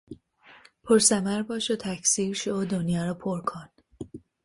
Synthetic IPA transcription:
pʰoɾsæmæɾbɒːʃot̪ʰæcʰsiːɾʃoʔod̪onjɒːɾɔpʰoɾkʰon

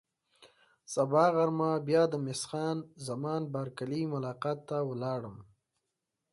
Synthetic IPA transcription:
sabɑːɣaɾmabjɑːd̪əmɪsxɑːnzamɑːnbaɾkalimʊlɑːqɑːt̪ːawəlɑːɽəm

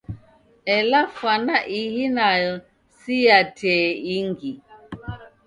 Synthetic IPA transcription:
ɛlafanaʔihinajɔ | sijatʰɛiŋɡi

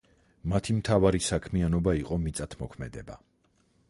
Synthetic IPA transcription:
mat̪ʰimt̪ʰavaɾisakʰmianɔbaiqʼɔmit̪sʼat̪ʰmɔkʰmɛd̪ɛba

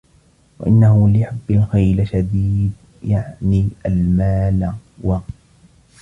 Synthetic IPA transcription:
wa̰ʔɪnːahʊlɪħabːalxajlʃad̪iːd̪̚ | jaʕniʔalmaːlwa

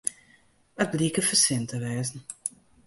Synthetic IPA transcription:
ət̚bliəkəfəsɪntəʋɛːzn̩

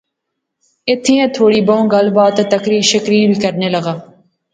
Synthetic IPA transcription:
ɪt̪ʰːiːẽːt̪ʰoːɽiːbõõɡəlbaːt̪et̪əkɾiːʃɪkɾiːɾbʱiːkəɾneːləɡaː

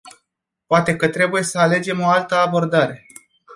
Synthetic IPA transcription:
poat̪e̞kət̪ɾe̞buje̞səale̞d͡ʒe̞mo̞alt̪əabo̞rd̪aɾe̞

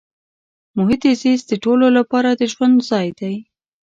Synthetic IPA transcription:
mʊɦɪt̪izizd̪əʈololapɑɾad̪əʒwand̪zɑjd̪aj

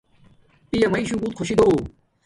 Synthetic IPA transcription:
p̪ijɐmɐiɕũkut̪̚kʰoɕid̪oː

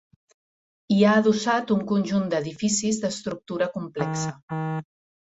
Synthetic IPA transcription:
iaəðusat̪uŋkunʲʒund̪əðifisizðəst̪ɾuk̚t̪uɾəkumplɛksə

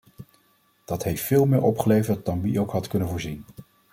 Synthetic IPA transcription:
d̥ɑtɦejftfɪːlˠmɪːɹʔɔpχəlejvəɹt̚d̥ɑnʋiowkɦɑtkɵnənvʊːɹzin

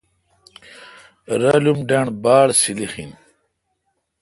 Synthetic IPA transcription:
ɾɐlumɖɐɳbaːɽsilixḭn

